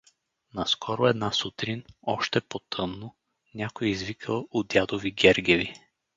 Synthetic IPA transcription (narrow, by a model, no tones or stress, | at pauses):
nɐskʰɔɾoɛd̪nasut̪ɾinɔʃt̪ɛpot̪ʰɤnːo | nʲakojɛizvikʰəlˠod̪ʲjad̪oviɡʲɛɾɡɛvi